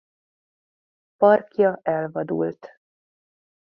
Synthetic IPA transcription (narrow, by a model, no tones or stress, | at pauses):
pɒrkjɒʔɛlvɒd̪ṵlt̪